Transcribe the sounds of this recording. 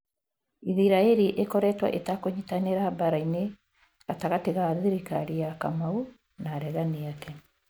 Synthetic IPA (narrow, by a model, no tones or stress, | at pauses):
iðiɾaeɾiʔekɔɾɛtwa̰ʔetakoɲitaneɾabaɾaine | ɣataɣateɣaðiɾikaɾiakamau | naɾɛɣaneakɛ